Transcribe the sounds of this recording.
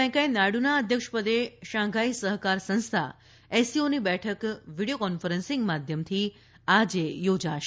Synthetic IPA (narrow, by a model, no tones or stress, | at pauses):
ɛ̃kãjnaɽunaəd̪ʱjəkʃpəd̪eʃãɡʱaisəɦkaɾsə̃ñst̪ʰa̰ | esionibɛʈʰəkʋiɽiokɔnfəɾənsĩŋɡmad̪ʱjəmt̪ʰi | ad͡ʒejod͡ʒaʃ